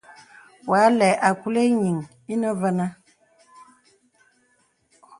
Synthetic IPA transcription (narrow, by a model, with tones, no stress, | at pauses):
wa˨˦lɛ˨ʔa˨ku˦le˦ɲi˨ŋ | i˦nə˦və˦na˦